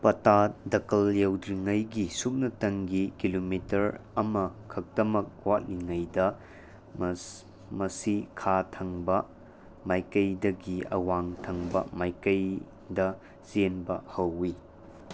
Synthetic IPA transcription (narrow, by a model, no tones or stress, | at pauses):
pɐtatdɐkɐljɐwdɾiŋɐjɡisuk̚nɐtɐŋɡikilomitɐɾɐmɐkʰɐk̚tɐmɐk̚watliŋɐjdɐ | mɐsikʰatʰɐŋbɐ | majkɐjdɐɡiɐ̰waŋtʰɐŋbɐ̰majkɐj | dɐ | zenbɐhɐwːi